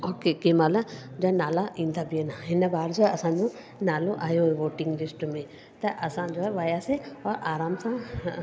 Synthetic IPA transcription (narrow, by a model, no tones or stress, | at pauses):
okekemalad͡ʒɔɛnaːlaʔĩnd̪abiɛnaɦinabaːɾd͡ʒɔɐsãnd͡ʒũ | naːloʔaːjoɾʋoːʈiŋɡɾɪsʈmɛ̃ | t̪ɛʔɐsãd͡ʒɔɛʋajasɛɔɾaːɾaːmsã